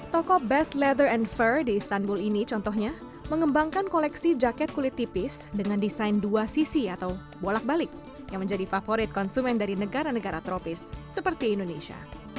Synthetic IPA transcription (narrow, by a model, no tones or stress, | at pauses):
t̪ɔkɔbɛslɛd̪ərɛnfərdiːst̪anbulinit͡ʃɔnt̪ɔhɲa | məŋəmbaŋkankolɛksid͡ʒakɛt̪̚kulɪt̪ːipɪsdəŋandisajnduasisiat̪aw | bolak̚balɪk̚ | jaŋməɲd͡ʒadifafoɾɪt̪̚kɔnsumɛndaɾinəɡaɾanəɡaɾat̪ɾopɪsːəpərt̪iːndoneʃia̰